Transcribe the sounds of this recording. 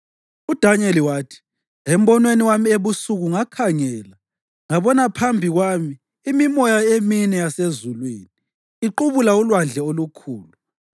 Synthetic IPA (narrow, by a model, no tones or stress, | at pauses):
ud̥ʱaɲeliwaːtʰi̥ | em̩bɔnweniwamieβusuɣuŋakʰaŋɛːla | ŋaβɔnapʰambʱiɣwamiː | mimɔjaeminɛjasezulweːniː | ǃuβulaulwand͡ɮʱɛolukʰuːlu